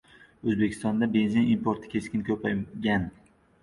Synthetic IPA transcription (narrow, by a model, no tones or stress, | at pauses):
ɵzbe̞kʲʰɪst̪ɒnd̪abe̞nzinimpoɾt̪ʰɪ̥kʲʰe̞skʲɪnkʲʰɵpajɡʲan